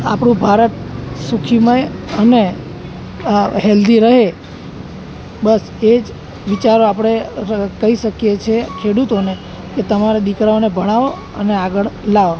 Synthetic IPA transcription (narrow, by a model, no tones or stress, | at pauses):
apɽ̃ũbʱaɾət̪sukʰimajəne | ɦeld̪iɾəɦe | bəs | ed͡ʒ | ʋit͡ʃaɾoapɽ̃ekəiʃəkjet͡ʃʰekʰeɽut̪one | ket̪əmaɾad̪ikɾaonebʱəɽ̃aʋo | ə̰neaɡəɭlaʋo